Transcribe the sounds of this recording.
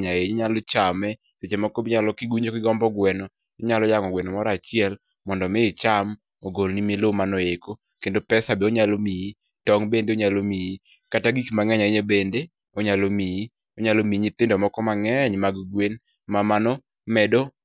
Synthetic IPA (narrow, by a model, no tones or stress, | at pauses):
ɲaeɲɲalɔt͡ʃamɛ | set͡ʃemɔkɔbɪɲalɔkiɡwiɲokɪɡɔmbɔɡwɛnɔ | ɲalɔjaŋɔɡwɛnɔmɔɾat͡ʃɪɛl | mɔndɔmɪːt͡ʃam | oɡolnimelomanoeko | kendopɛsabeoɲalomiji | tɔŋbendeoɲalomiji | kataɡikmaŋɛɲaeɲebende | oɲalomiji | oɲalomiɲit̪ɪndɔmɔkɔmaŋɛɲmaɡɡwen | mamanɔ | mɛdo